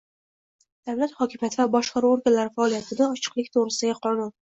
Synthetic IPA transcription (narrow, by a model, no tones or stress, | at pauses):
d̪̥awlat̪hɒkʲɪmijat̪ʰɪvabɒʃqɑɾuoɾɡʲalaɾɪfaɒːlˠijat̪ʰɪnaɒt͡ʃʰɨ̥qlˠɪkʲt̪ʰoʁɾɪsɪd̪aɡʲaqʰɒnʊn